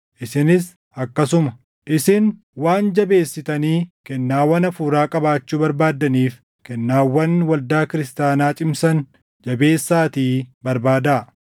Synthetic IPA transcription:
ʔɪsɪnɪs | ɐkːɐsʊmɐ | ʔɪsɪn | waːnd͡ʒɐbe̞ːsːɪt̪ɐniːkɛnːaːwːɐnɐfuːɾaːkʼɐbaːt͡ʃːuːbɐɾbaːd̪ɐniːf | kɛnːaːwːɐnwɐld̪aːkɪɾɪst̪aːnaːt͡ʃʼɪmsɐn | d͡ʒɐbe̞ːsːaːt̪iːbɐɾbaːd̪aː

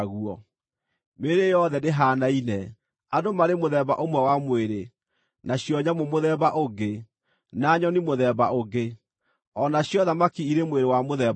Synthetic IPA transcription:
ɣuɔ | meɾejɔðɛneɦanainɛ | adomaɾemoðɛβa̰ʔomwɛwamweɾe | naɕjɔɲamomoðɛβaʔoɡe | naɲɔnimoðɛβaoɡe | ɔnaɕjɔðamakiiɾemweɾewamoðɛ

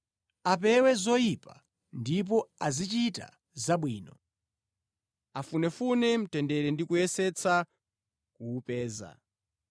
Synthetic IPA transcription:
ap̬ɛwɛzɔjipa | ndip̬ɔazit͡ʃita̰ | zaɓwiːnɔ | afunɛfunɛm̩tɛndɛɾɛndikujɛsɛt͡sʰa | kuːpɛːza̰

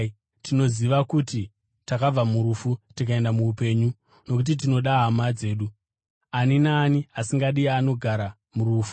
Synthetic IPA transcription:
tino̞ziʋakuti | takab͡vamuɾufutikae̞ndamuːpe̞ɲu | no̞k̬ut̬it̬ino̞ɗaɦamad͡ze̞ːɗu | aninaːniasiŋɡaɗiano̞ɡʱaɾa | muɾuːfu̥

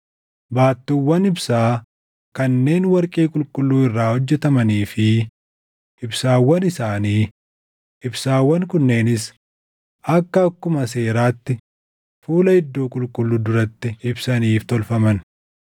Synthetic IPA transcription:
baːt̪ːuwːɐnɪbsaː | kɐnːe̞ːnwɐɾkʼiːkʼʊlkʼʊlːuːɪrːaːhɔd͡ʒːɛt̪ɐmɐniːfɪ | ʔɪbsaːwːɐnɪsaːniː | ɪbsaːwːɐŋkʊnːe̞ːnɪs | ɐkːɐːkːʊmɐs̬e̞ːɾaːt̪ːɪ | fuːlɐhɪd̪ːoːkʼʊlkʼʊlːuːd̪ʊɾɐt̪ːɪɪbsɐniːft̪ɔlfɐmɐn

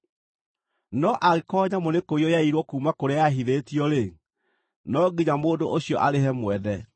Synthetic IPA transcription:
nɔʔaɣekɔːɲamonekoiɔjaiɾwɔkuːmakoɾeajaɦiðetiɔɾe | nɔɡiɲamoːndoʔoɕiɔʔaɾeɦɛmwɛðɛ

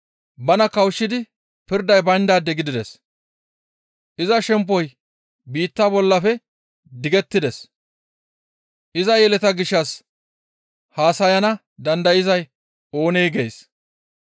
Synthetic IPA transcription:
bɐnɐkɐwʃːɪd̪ɪ | pɪɾd̪ɐjbɐnd̪aːd̪ːɛɡɪd̪ɪd̪ɛs | ʔɪzɐʃɛmpːɔj | biːt̪ːaːbɔlːɐfɛ | d̪ɪɡɛt̪ːɪd̪ɛs | ʔɪzɐjɛlɛt̪ɐɡɪʃːɐs | haːsɐjɐnɐ | d̪ɐnd̪ɐjɪzɐj | o̞ːnejɡeːs

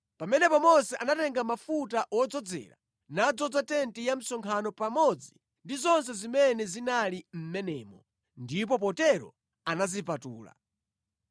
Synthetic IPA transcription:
pamɛnɛpamɔsɛʔanatɛŋɡamafutaʔwɔd͡zɔd͡zɛ̰ɾa̰ | nad͡zɔd͡zatɛntijam̩sɔŋkʰanɔpamɔd͡zi | ndizɔnsɛzimɛnɛzinalim̩mɛnɛːmɔ | ndip̬ɔpɔtɛɾɔ̰ | anazipatuːla̰

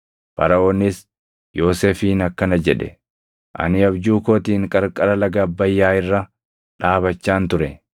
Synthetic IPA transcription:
bɐ̰ɾɐoːnːɪs | jo̞ːseːfiːnɐkːɐnɐd͡ʒɛᶑɛ̰ | ʔɐ̰nɪɐbd͡ʒuːkoːt̪iːŋkʼɐɾkʼɐɾɐlɐɡɐbːɐjːaːɪrːɐ | ᶑaːbɐt͡ʃːaːnt̪ʊɾɛ

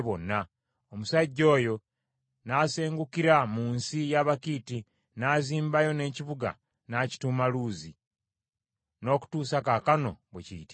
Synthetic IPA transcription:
βonːa | omusaɟːo̞ːjo̞ | naːse̞ːŋɡukiɾamuːnsijaβakiːti | naːziːmbajo̞ne̞ːciβuɡa̰ | naːci̥tumaluːzi | no̞ːku̥tuːsakakano̞̰βweciːti

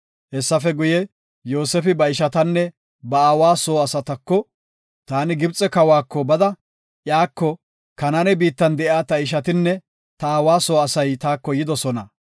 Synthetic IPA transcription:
hɛsːɐfɛɡʊjɛ | jo̞ːsɛfɪbɐɪʃɐt̪ɐnːɛ | bɐaːwaːso̞ːɐsɐt̪ɐkːɔ | t̪aːnɪɡɪbt͡sʼːɛkɐwaːkːɔbɐd̪ɐ | ʔjaːkːɔ | kɐnɐnɛbiːt̪ːɐnd̪ɛʔjaːt̪ɐɪʃ̬ɐt̪ɪnːɛ | t̪ɐaːwaːsoːɐsɐjt̪aːkːɔjɪd̪ɔsɔnɐ

